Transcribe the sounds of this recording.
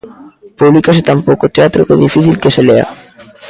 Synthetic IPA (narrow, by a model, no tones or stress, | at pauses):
publikaʃ̬et̪ampokot̪eat̪ːɾoked̪ifisʰilkeʃelea̰